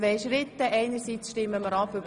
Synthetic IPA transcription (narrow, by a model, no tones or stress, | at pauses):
ʋɛɪʃɾɪt̪ːəʔɛɪnəɾsiːt͡sʃtɪmːəməɾɑpʏb